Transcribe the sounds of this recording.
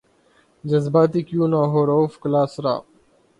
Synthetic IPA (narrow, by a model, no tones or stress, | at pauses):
d͡ʒɐzbaːt̪̬ikjũːnaːɦoːɾoːfklaːsɾa̰ː